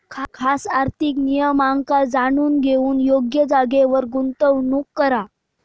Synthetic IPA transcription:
kʰkʰasaɾt̪ʰiknijəmaŋɡkad͡zaɽ̃uːnɡʱeuːnjoɡjəd͡zaɡeʋəɾɡunt̪əʋnukːəɾa

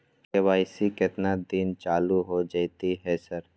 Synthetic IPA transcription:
keʋaːɪsiket̪nad̪int͡ʃaːluɦod͡ʒaːɪt̪iɦɛsɐɾ

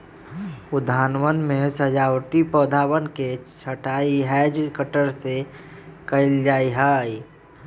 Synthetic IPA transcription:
ʊd̪ʱaːnʋənmẽsəd͡ʒaːwʈipəːd̪ʱaːwənket͡ʃʰəʈaiɦɛːd͡ʒkəʈəɾse | kəɪld͡ʒaːiɦaːi

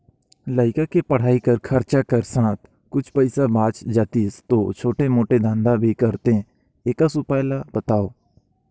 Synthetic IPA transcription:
ləɪkakepəɽ̤aːikəɾkʰəɾt͡ʃakəɾsãːt̪̚ʰ | kʊt͡ʃʰpəɪsabãːt͡ʃd͡ʒaːt̪ist̪oːt͡ʃʰoːʈemoːʈed̪ʱãːnd̪abʱikəɾt̪ẽ | eːkasupaːjlab̥ət̪aːoː

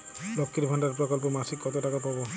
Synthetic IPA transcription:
lɔkːiɾbʱaɳɖaɾpɾɔkɔlp̬ɔmasikːɔt̪oʈakapɔbɔ

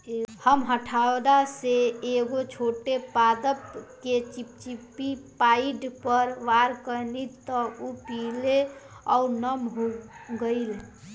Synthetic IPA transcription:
həmɦəʈʰawd̪aseeɡot͡ʃʰoʈepad̪əpket͡ʃip̚t͡ʃipipaiɖpəɾʋaɾkənit̪ɔupileaunəmɦoɡəɪl

